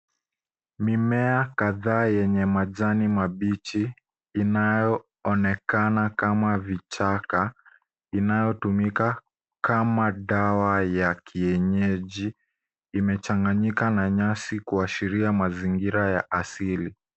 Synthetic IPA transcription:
mimɛakaðaːjɛɲɛmaʄanimaɓit͡ʃiː | najɔ | ɔnɛkanakamavit͡ʃaka | inajɔtumika | kamaɗawajakʰiɛɲɛʄiː | mɛt͡ʃaŋɡaɲikanaɲasikuaʃiɾiamaziŋɡiɾajaʔasili

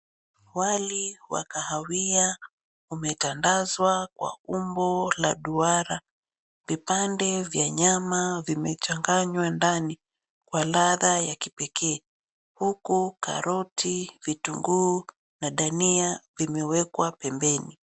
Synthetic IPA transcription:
waliwa̰kahawia | umɛtandazwakwa̰umbɔlaɗuaɾa | vipandɛvjaɲamavimɛt͡ʃaŋɡaɲwandani | kwalaðajakipɛkɛː | hukuka̰ɾɔtʰivituŋɡu | naɗaniavimɛwɛkwapɛmbɛni

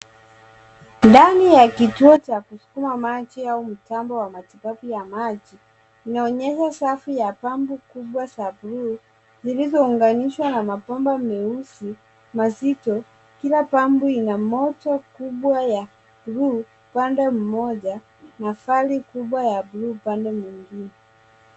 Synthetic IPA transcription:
ndanijakituɔt͡ʃakusu̥kumamat͡ʃiaum̩tambɔwamatipapujamat͡ʃi | inaɔɲɛʃasafijapambukuɓwasabuɾu | zilizɔuŋɡaniʃwanamapɔmbamɛusi | mazitɔ | kilapambuinamɔtɔkuɓwaja | buɾu | pandɛm̩mɔʄa | nafalikuɓwajabuɾupandɛmwiŋɡinɛ

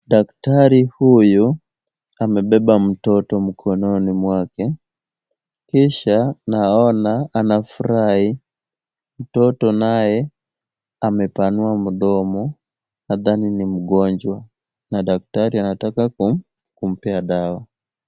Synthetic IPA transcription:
daktaɾihuju | amɛɓɛɓam̩tɔtɔm̩kʰɔnɔnimwakɛ | kiʃanaɔnaːnafuɾai | m̩tɔtɔnajɛ | amɛpanuam̩ɗɔmɔ | naðaninim̩ɡɔnd͡ʒwa | naɗak̚taɾianatakaku | kum̩pɛaɗawa

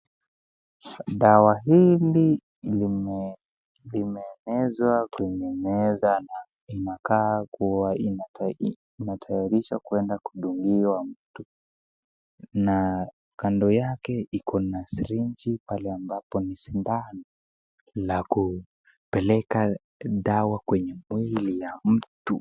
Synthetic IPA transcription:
ɗawaɦili | m | limɛːnɛzwakimɛnɛzana | inakakuwainː | natʰajaɾiʃakuɛndaku̥ɗuŋɡiwam̩tu | na | kandɔjakɛikɔnasiɾiɲd͡ʒipalɛambapɔnisindanɔ | laku | pɛlɛka | ɗawakwɛɲɛmwilijam̩tu

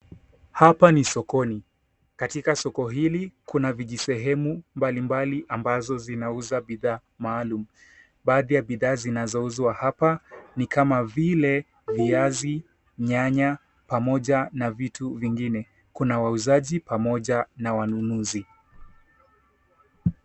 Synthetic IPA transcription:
hapanisɔkɔni | katikasɔkɔɦilikunaviʄisɛɦɛmumbalimbaliʔambazɔzinauzaɓiðaː | maːlumu | ɓaːðijaɓiðaːzinazɔuzwahapanikamavilɛ | viazi | ɲaɲa | pamɔʄanavitʰuviŋɡinɛ | kunawauzaʄipamɔʄanawanunuzi

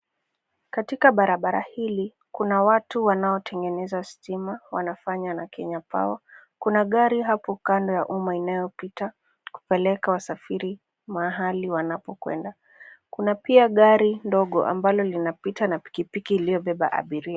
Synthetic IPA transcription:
katikaɓaɾaɓaɾa̰hili | kunawatuwanaɔtʰɛŋɡɛnɛzastimawanafaɲanakʰɛɲapa̰wakunaɠaɾiɦapɔkandɔjaʔumainajɔpita | ku̥pɛlɛkawasafiɾi | maɦaliwanapɔkwɛ̰nda | kunapiaɠaɾindɔɠɔ̰ʔa̰mbalɔlinapitanapi̥kipikiːlijɔɓɛɓa̰ʔa̰ɓiɾia

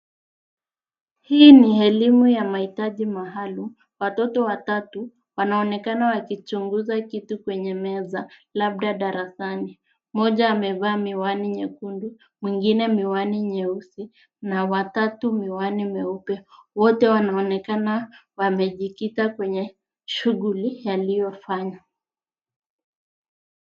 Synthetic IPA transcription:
hiːniɛlimujamahitaʄimaɦalum | watɔtɔwatatu | wanaɔnɛkanawakit͡ʃuŋɡuzakitukwɛɲɛmɛzalab̚ɗaɗaɾasani | mɔʄaːmɛvaːmiwaniɲɛkundu | mwiŋɡinɛmiwaniɲɛusi | nawatatumiwanimɛupɛwɔtɛwanaɔnɛkanawamɛʄikitakwɛɲɛ | ʃuɣulijalijɔfaɲa

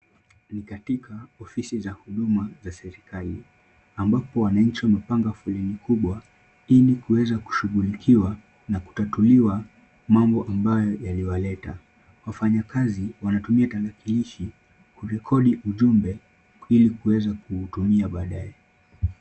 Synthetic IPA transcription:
nikatikʰaɔfisizahuɗumazasɛɾikali | ambapɔwanaɲ̩t͡ʃiwamɛpaŋɡafulɛnikuɓwa | ilikuwɛzaku̥ʃuɠulikʰiwa | naku̥tatuliwa | mambɔʔambajɔjaliwalɛta̰ | wafaɲakaziwanatumiatalakiliʃi | kuɾɛkʰɔɗiʔuʄumbɛ | ilikuwɛzakuːtumiaɓaːɗaɛ

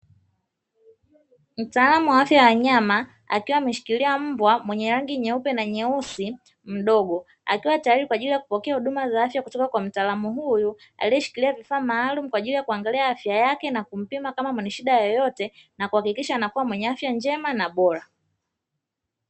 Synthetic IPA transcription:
m̩taːlamuwaafjajawaɲama | a̰kiwamiʃi̥kiliam̩bwamwɛɲɛɾaŋɡiɲɛupɛnaɲɛusi | m̩ɗɔɡɔ | a̰kiwatajaɾikwaʄilijakupɔkɛahuɗumazaafjakutɔkakwam̩taːlamuɦuju | a̰liɛʃi̥kiliavifaːmaːlum̩kwaʄilijakuaŋɡaliaafjajakɛnakum̩pimakamamwɛɲɛʃiɗajɔjɔtɛnakuhakikiʃanakuwamwɛɲɛafjand͡ʒɛmanaɓɔɾa

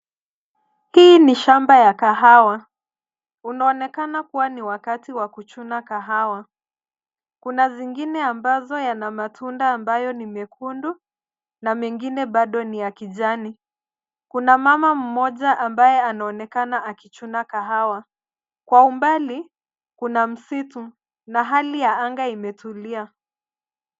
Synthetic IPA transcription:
hiniʃambajakaɦawa | unaɔnɛkanakuwaniwakatiwakut͡ʃunakaɦawa | kunaziŋɡinɛambazɔjanamatʰundaːmbajɔnimɛkʰundu | namɛŋɡinɛɓaɗɔnijakiʄani | kunamamam̩mɔʄaʔambajɛanaɔnɛkanaakit͡ʃunakaɦawa | kwaumbali | kunam̩situ | naɦalijaaŋɡaimɛtʰulia

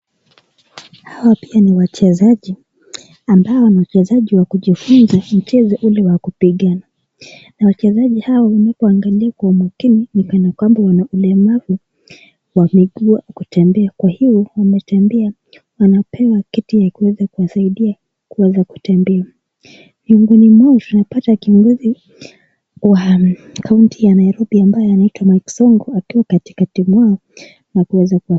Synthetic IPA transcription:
hawapianiwat͡ʃɛzaʄi | ambaɔnawat͡ʃɛzaʄiwakuʄifunzam̩t͡ʃɛzɔʔulɛwakupiɠana | nawat͡ʃɛzaʄihawawanakuaŋɡaliakwaumakininikanakwambawanaʔulɛmavu | wamɛɠuakutɛmbɛakwahivɔwamɛtɛmbɛa | wanapʰɛwakitijakuwɛzakuwasaiɗia | kuwɛzaku̥tɛmbɛa | viuŋɡunimwɔɔtunapatakiɔŋɡuzi | wakauntijanaiɾɔbiambajɔanaitwamajksɔŋɡɔakiwakati̥katimwaɔ | nakuwɛzakuwa

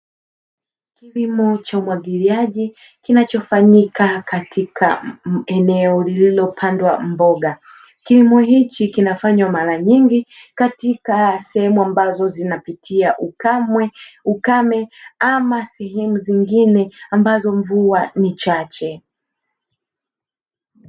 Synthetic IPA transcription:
kilimɔt͡ʃaumwaɠiliaʄi | kinat͡ʃɔfaɲikakatʰikʰa̰ɛnɛɔlililɔpʰandwa̰m̩bɔɠa | kilimɔɦit͡ʃikinafaɲwamaɾaɲiŋɡikatikasɛhɛmuambazɔzinapitʰiaʔɛukamɛamasɛɦɛmuziŋɡinɛambazɔɱvuanit͡ʃat͡ʃɛ

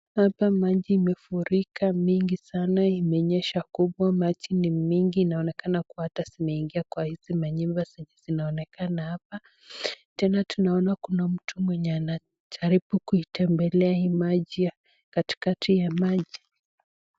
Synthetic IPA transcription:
hapamaʄiːmɛfuɾikamiŋɡisanaimɛɔɲɛʃakuɓwamat͡ʃinimiŋɡiːnaɔnɛkanakuwahatasinɛiŋɡiakwahizimaɲimbasiɲɛzinaɔnɛkanahapa | tɛnatunaɔnakunam̩tʰumwɛɲɛana | tʰaɾibukuitɛmbɛlɛahiːmaʄija | kati̥katʰijamaʄi

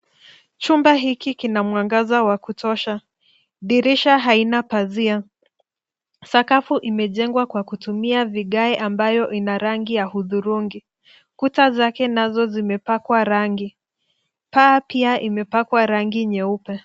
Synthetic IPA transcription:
t͡ʃumbaɦikikinamwaŋɡazawakutɔʃa | ɗiɾiʃaɦainapazia | sakafuʔimɛʄɛŋɡwakwakutumiaviɠaɛʔambajɔʔinaɾaŋɡijahuðuɾuŋɡi | kutazakɛnazɔzimɛpakwaɾaŋɡi | paːpiaʔimɛpakwaɾaŋɡiɲɛupɛ

